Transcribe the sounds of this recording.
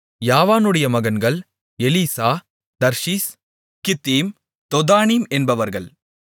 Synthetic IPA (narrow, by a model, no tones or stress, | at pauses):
jaːʋaːnɯɽɐjɐmɐɣɐnɡɐɭ | ɛliːsaː | d̪ɐɾʂiːs | kɪt̪ːiːm | t̪ɔðaːniːmɛnbɐʋɐɾɣɐɭ